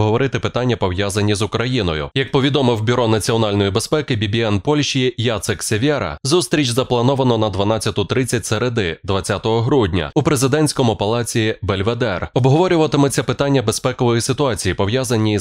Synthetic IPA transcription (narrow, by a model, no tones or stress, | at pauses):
ɦɔʋɔɾɪt̪ɪpɪt̪anʲːɐpɔwjazɐnʲːizʊkɾɐjinɔjʊ̰jɐk̚pɔʋʲid̪ɔmɪwbʲʊɾɔnɐt͡sʲiɔnalʲnɔjibespɛkɪbʲibʲiɛnpɔlʲʃijijat̪sɪksʲeʋʲɛɾɐ̰zust̪ɾʲit͡ʃzɐplˠɐnɔʋɐnɔnɐd̪ʋɐnat͡sʲːɐt̪ʊt̪ɾɪt͡sʲːɐtʲseɾed̪ɪd̪ʋɐt͡sʲːat̪ɔɦɔɦɾudʲnʲɐ̰upɾezɪd̪ɛnʲsʲkɔmʊpɐlˠɑt͡sʲiibelʲʋed̪ɛrɔbɦɔʋɔɾʲʊʋɐt̪ɪmɪt͡sʲɐpɪt̪anʲːɐbe̞spɛkɔʋɔjisɪt̪ʊɑt͡sʲijipɔwjazɐnʲi